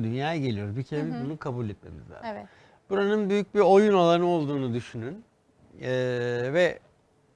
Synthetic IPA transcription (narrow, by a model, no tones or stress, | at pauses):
d̪ynjaːjɟe̞lʲijo̞ɾbicʰeɾebizbunukʰabulʲet̪me̞̰mḭzlʲa̰ɾ | b̥uɾanɯnbyjyc̚biɾo̞junolˠanɯo̞lˠd̪uːnud̪yʃynynː | vɛ